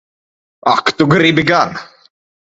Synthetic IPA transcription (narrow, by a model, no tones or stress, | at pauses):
akt̪uɡɾibɪɡan